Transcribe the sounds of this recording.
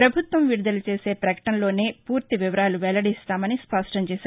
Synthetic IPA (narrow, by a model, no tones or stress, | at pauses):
ɾɐbʱut̪ʋɐmʋiɽud̪ɐlut͡ʃe̞ːse̞ːpɾɐkɐ̥ʈɐnlo̞ːneːpuːɾt̪iʋiʋɐɾaːluʋɛlɐɽist̪aːmɐnispɐʂʈɐmt͡ʃɛːsaːɾ